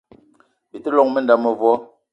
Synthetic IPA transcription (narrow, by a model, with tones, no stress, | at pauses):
bi˨te˦lɔ˦˨ŋme˦n˨da˨mə˨vwɔ˦